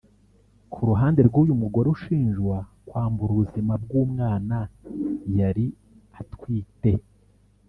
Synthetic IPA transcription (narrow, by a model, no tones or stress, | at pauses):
kʰuɾuɦaːnde̞ɾɡuːjumuɡo̞ɾeuʃiːnʒɡwakwaːmbuɾuuzimabɡuːmŋaːnajaɾi | atwiːte̞